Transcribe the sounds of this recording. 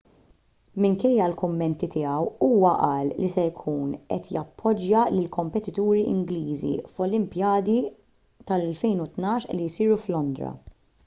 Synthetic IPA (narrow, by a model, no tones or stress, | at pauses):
mɪŋkɛjːɐlkʊmːɛnt̪it̪ɪɐwuːwɐʔɐːllisɛjkʰuːnʔɛt̪jɐpʰːɔd͡ʒːɐlɪlkʰɔmpɛt̪ɪt̪uːɾiʔɪ̰ŋɡliːzḭfɔlɪmpjɐːd̪i | t̪ɐlɛlfɛjnut̪nɐːʃlːijsiːɾuflɔnd̪ɾɐ̰